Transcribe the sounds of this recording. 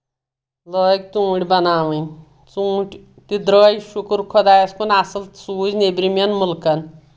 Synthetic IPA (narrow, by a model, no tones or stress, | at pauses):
loːk̚t̪ũːɽʲbɐnaːʋɨj | t͡sũːʈʲ | t̪id̪ɾəːjiʃukɾkʰɔd̪aːjɐspɐnʲasɨlsuːznebɾimʲɐnmulkɐn